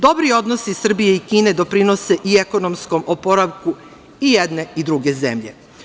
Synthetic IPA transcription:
d̪o̞bɾio̞d̪nosisr̩bijeikiːne̞d̪o̞pɾino̞se̞ʔieko̞nomsko̞mʔopoɾaʋku | ijed̪ne̞id̪ɾuɡe̞zḛmʎe̞̰

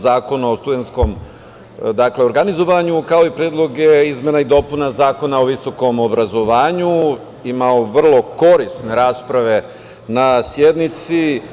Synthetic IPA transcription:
zaːko̞naost̪ud̪e̞nt̪sko̞m | d̪akle̞oɾɡanizo̞ʋaɲukao̞ipɾeːd̪lˠo̞ɡeizmenaid̪o̞punazaːko̞naoʋiso̞ko̞mobɾazo̞ʋaːɲu | imao̞ʋr̩lˠo̞ko̞ɾisne̞ɾaːspɾaʋe̞ | nasjed̪nit̪si

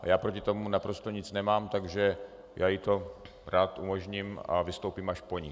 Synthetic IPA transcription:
jaːpɾo̞cɪt̪o̞munapɾo̞st̪oɲɪt͡snɛmaːmt̪aɡʒɛ | jaːjɪt̪o̞ | ɾaːt̪ʔumoʒɲima̰vɪst̪o̞wpiːmaʃpo̞ɲɪ

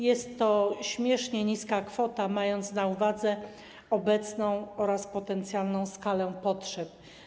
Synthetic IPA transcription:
jɛst̪ːɔɕmʲjɛʂɲɛɲiskakfɔt̪amajɔnt̪snauvad̪zɛ | ɔbɛt̪snɔ̃w̃ɔɾaspɔt̪ɛnt̪sʲjalnɔ̃w̃skalɛpɔtʂɛp

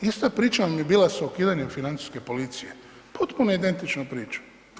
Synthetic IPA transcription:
ist̪apɾiːt͡ʃanamjebiːlˠasaokiːd̪aɲe̞mfinant̪si̥ske̞po̞lit̪sije̞ | pot̪punoid̪e̞nt̪it͡ʃnopɾiːt͡ʃu̥

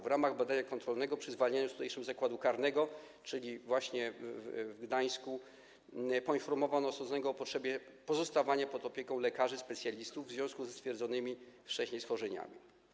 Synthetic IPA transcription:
vɾamaɣbad̪aɲakɔnt̪ɾɔlnɛɡɔpʂɘzvalɲaɲust̪ut̪ɛjʂɛmzakwad̪ukaɾnɛɡɔ | t͡ʂɘlʲivwaɕɲɛvɡd̪aj̃sku | pɔinfɔɾmɔvanɔsɔzɔnɛɡɔːpɔtʂɛbʲjɛpɔzɔst̪avaɲapɔd̪ɔpʲjɛkɔ̃w̃lɛkaʐɘspɛt̪sʲjalʲist̪uvvːzvʲjɔ̃skuzst̪fʲjɛɾd̪zɔnɘmʲift͡ʂɛɕɲejsfɔʐɛɲa̰mʲi

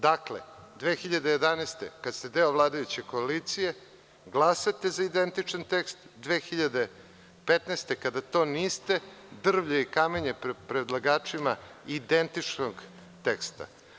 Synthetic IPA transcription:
d̪aklḛd̪ʋeːxiʎad̪ejed̪aneːst̪ekad̪st̪ed̪eoʋlˠaːd̪ajut͡ɕe̞ko̞alit̪sije̞ | ɡlˠasat̪ezaid̪ent̪it͡ʂant̪ekst̪d̪ʋeːxiʎad̪e | pet̪nest̪ekad̪at̪o̞ːniːst̪e̞d̪r̩ʋʎeikame̞ɲeppɾed̪lˠaɡaːt͡ʂimaid̪e̞nt̪it͡ʂnoɡ | t̪ekst̪a̰

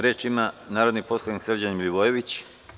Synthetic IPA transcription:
ɾjeːt͡ʃimanaːɾo̞d̪nipo̞slˠaniksr̩d͡ʑanimlʲuʋojeʋit͡ɕ

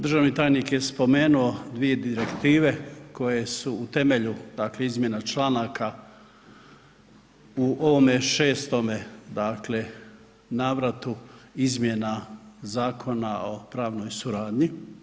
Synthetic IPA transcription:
d̪ɾr̩ʒaʋnit̪aːjnikje̞spo̞me̞ːnuo̞d̪ʋije̞d̪iɾe̞kt̪iːʋe̞ko̞je̞suːt̪e̞meʎud̪akle̞izmje̞nat͡ʃlanakʰa | uʔoʋo̞me̞ʃe̞ːst̪o̞me̞d̪aːkle̞ | naːʋɾat̪uizmje̞nazaːkʰo̞nao̞pɾaːʋno̞jsuɾaːd̪ɲi

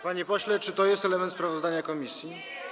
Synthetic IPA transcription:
paɲipɔɕlɛt͡ʂɘt̪ɔjɛst̪ɛlɛmɛnt̪spɾavɔzd̪aɲakɔmʲisʲji

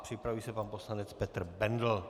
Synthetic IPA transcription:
pr̥ɪpɾavujisɛpaːmposlanɛt͡spɛt̪rbɛnd̪l̩

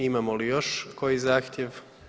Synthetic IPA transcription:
imamolijo̞ʃko̞jizaːxt̪jeʋ

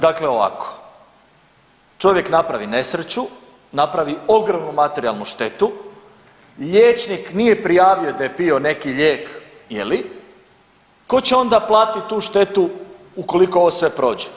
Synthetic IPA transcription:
d̪akleo̞ʋa̰ko̥ | t͡ʃo̞ʋje̞knapɾaʋine̞sɾet͡ɕu | napɾaʋio̞ɡɾomnumat̪e̞ɾia̰lˠnuʃt̪e̞t̪u | ʎeːt͡ʃniknije̞pɾijaːʋiod̪ajepio̞ne̞kiʎeːk | jḛli | ko̞t͡ɕeo̞nd̪aplˠaːt̪it̪uːʃt̪e̞t̪u | uko̞liko̞oʋosʋe̞pɾo̞ːd͡ʑe̥

